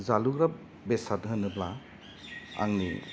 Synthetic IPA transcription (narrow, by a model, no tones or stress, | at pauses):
zaluɡɾap | besatɦɯnɯbla | a̰ŋnḭ